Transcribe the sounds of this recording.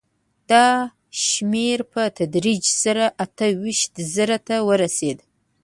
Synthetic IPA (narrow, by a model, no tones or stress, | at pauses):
d̥a | ʃmerpʰɐtʰɐdɾid͡ʒsɐɾaʔatʰɐɥɪʃtzɨɾɐtʰɐwɐɾɐseːd